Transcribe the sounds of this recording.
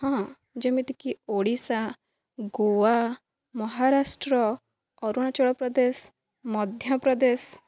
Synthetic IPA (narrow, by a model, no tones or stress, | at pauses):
hɔ̃ | d͡ʒemit̪ikioɽisa | ɡowa | mɔɦaɾasʈɾɔː | ɾuɽ̃at͡ʃɔɭɔpɾɔd̪es | mɔd̪ʱjapɾɔd̪es